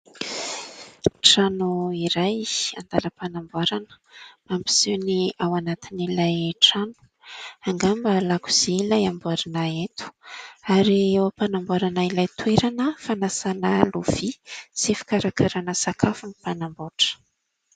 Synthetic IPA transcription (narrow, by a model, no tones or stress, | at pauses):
ʈ͡ʂanuiɾaja̰nd̪aləpanambaɾanə̥ | ambi̥z̥ewniawanat̪inilajʈ͡ʂanu̥ | aŋɡambəlaku̥z̥eilajambuaɾinaet̪u̥aɾiewapanambaɾanailajt̪weɾanəfanasanəluv̥isifi̥kaɾakʰaɾanəsakʰafunipanamboʈ͡ʂə̥